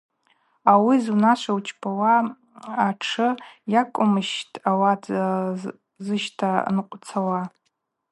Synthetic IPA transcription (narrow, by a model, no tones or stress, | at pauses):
awizunaʃʷawt͡ʃʰʼpʰawaː | ʈ͡ʂʰɨjakʷʼʊmɨʃtʰʼawatʰ | zɨʃtʰanqʷʼt͡sʰawa